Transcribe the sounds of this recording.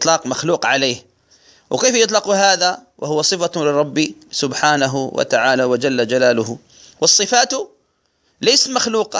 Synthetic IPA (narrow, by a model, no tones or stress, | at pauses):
t̪ˤlɑːqmaxluːqʕaleːh | wɪkeːfjɪt̪ˤlɑquɦaːðawʔahʊwasˤɨfalɪɾˤɑbːisʊbħaːnaɦwa̰t̪aʕaːlawɪd͡ʒalːad͡ʒalaːlʊɦ | wɑsˤːɨfaːt̪ʊ | leːsat̪maxluːqɑ